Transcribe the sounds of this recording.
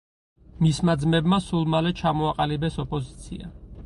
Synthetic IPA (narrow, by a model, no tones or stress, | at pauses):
mismad̪zmɛbmasulˠmalɛt͡ʃʰamɔaqʼalibɛsɔpʼɔzit̪sʰḭa